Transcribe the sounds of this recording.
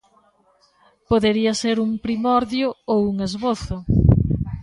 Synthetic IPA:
poðeɾiɐseɾuŋpɾimɔɾðjʊowuŋezβoθʊ

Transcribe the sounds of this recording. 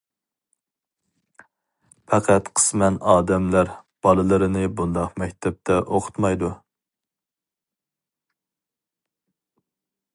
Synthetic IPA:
pʰɛqʰæt̪qʰə̥smɛnɑːd̪ɛmlæɾb̥ɑlˠɨlˠɨɾɨnɨbund̪ɑqmɛkʲt̪ʰɛp̚t̪ʰɛʔoqʰʊ̥t̪mɑjd̪u

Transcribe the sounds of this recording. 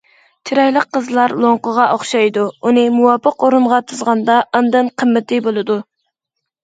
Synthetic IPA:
t͡ʃʰiɾɑjlˠəqʰːəzlˠɑɾlˠoŋqəʁɑoχʃɑjd̪uunɨmuwɑːpʰəqoɾunʁɑt̪ʰuzʁɑnd̪ɑʔɑnd̪ɨnqʰəmːɪt̪ʰɪbolˠɨd̪u

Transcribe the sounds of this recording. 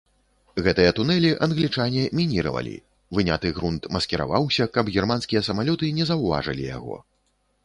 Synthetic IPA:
ɣɛt̪ɨjɐt̪unɛlʲiʔɐnɣlʲit͡ʂanʲɛmʲinʲiɾɐ̰vɐ̰lʲḭ | vɨnʲat̪ɨɣɾunt̪mɐskʲɛɾa̰vawsʲɐkɐbɣʲɛrmanskʲijɐsɐmalʲɔt̪ɨnʲɛzɐwva̰ʐɨ̰lʲḭja̰ɣɔ̰

